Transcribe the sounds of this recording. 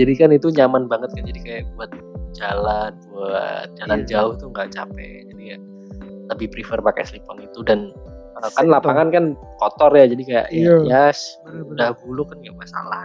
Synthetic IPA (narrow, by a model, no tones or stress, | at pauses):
d͡ʒadikanit̪uɲamanbaŋət̪̚kand͡ʒadikajaʔbuat̪̚d͡ʒalanwə̰d͡ʒaland͡ʒaʊht̪uŋɡaʔt͡ʃapɛ̰ | d͡ʒadiŋɡaʔ | ləbɪhpɾifərpaka̰jslipɔnit̪udan | əkanlapaŋankan | kɔt̪ɔrjad͡ʒadikaja̰ʔjajas | udahbulʊkanɡaʔmasa̰lah